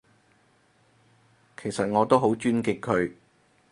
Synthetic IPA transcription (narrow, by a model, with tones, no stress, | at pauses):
kʰe˨˩jsɐ˨t̚ŋɔː˨˧t̪o˥wɦo˨˥wt͡ʃyː˥nkɪ˨kʰːɵ˨˧ɥ